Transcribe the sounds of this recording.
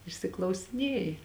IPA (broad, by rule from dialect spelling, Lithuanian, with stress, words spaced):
ɪʃʲsʲɪklˠɐʊsʲɪˈnʲeːjɪ